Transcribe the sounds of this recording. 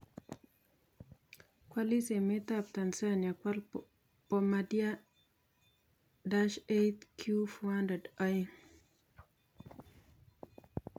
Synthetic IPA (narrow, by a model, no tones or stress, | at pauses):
kwalisemetap̚tansanjakwal | pɔmadia | daʃetkʰjufuwandɛdaj